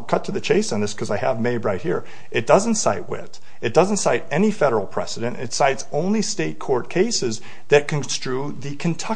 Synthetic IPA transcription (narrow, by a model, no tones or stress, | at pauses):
kʰʌtʰɨðɨt͡ʃʰeɪsn̩ðɪskʰʌzaɪɨvmeɪdɹaɪt̚hiɹ | ʔɨt̚d̥ʌz̃n̩tsaɪt̚wɪ̰t | ɨt̚d̥ʌz̃n̩tsaɪɾɛnifɛɾə˞l̩ˠpʰɹ̥ɛ̰sɨɾɨ̃ntɨ̰tsaɪtsõʊ̃nlisteɪt̚kʰɔɹt̚kʰeɪsɨz | ðɨt̚kʰɨ̃nstɹ̥ʉ | ðɨkʰɨ̃ntʰʌ